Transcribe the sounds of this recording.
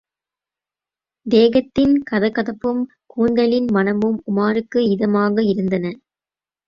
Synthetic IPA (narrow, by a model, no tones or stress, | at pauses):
d̪eːɣɐt̪ːɪnkɐðɐkːɐðɐpːɯm | kuːɳɖɐlɪnmɐnɐmɯmʊmaːɾɯkːɯɪðɐmaːɣɐɪɾɯnd̪ɐnɐ